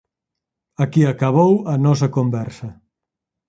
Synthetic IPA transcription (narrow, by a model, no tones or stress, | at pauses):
ɐkiɐkɐβ̞owɐnɔs̬ɐkombɛɾsɐ